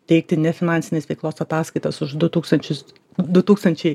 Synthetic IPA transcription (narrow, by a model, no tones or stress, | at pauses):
t̪ʲɛɪk̚t̪ʲɪnʲɛfʲɪnɑnʲsʲɪnʲeːsʋʲɛɪklˠoːsɐt̪ɑːskɐɪt̪ɐsʊʒd̪ʊt̪uːkst̪ɐnʲt͡ʃʲʊs | d̪ʊt̪uːkst̪ɐnʲt͡ʃʲɛɪ